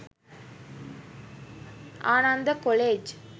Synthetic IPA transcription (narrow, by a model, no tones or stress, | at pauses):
aːnand̪ɐkoleːd͡ʒ